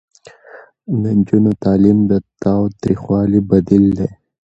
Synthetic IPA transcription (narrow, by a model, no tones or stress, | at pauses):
d̪ənd͡ʒunot̪ɑːlimd̪ət̪awt̪ɾixwɑːlibɐd̪ild̪e